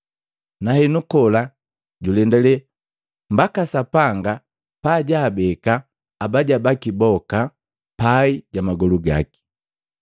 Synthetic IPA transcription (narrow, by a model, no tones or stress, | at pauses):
nahɛnukɔla | ɟulɛndɛlɛ | m̩bakasapaŋɡa | paːɟaːbɛkaː | baɟabakibɔka | paiɟamaɡɔluɡa̰ki̥